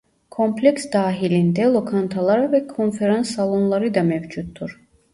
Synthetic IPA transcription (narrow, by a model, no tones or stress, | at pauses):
kʰɔmpʰlɛksd̪aːɦilind̪ɛlˠɔkʰɑnt̪ʰɑlˠɑɾvɛkʰɔnfɛɾansːɑlˠɔnlˠɑɾid̪ɑmɛvd͡ʒut̪̚ːuɾ